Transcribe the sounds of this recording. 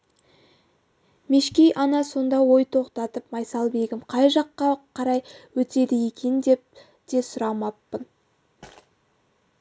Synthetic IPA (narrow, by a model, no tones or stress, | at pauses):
meʃkʲejʔɑnɑso̞nd̪ɑwo̞jt̪ʰo̞qt̪ɑt̪əpmɑjsɑlˠbe̞ɡʲɪmqʰɑjʒɑqːɑqʰɑɾɑjwɵt̪e̞d̪ɪje̞kʲe̞nd̪e̞p̚ | d̪̥e̞sʊɾɑmɑpːən